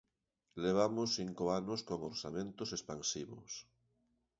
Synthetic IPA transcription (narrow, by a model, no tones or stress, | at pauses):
leβ̞amosθiŋkoanoskoŋoɾsa̰mẽnt̪osespansiβʊ̰s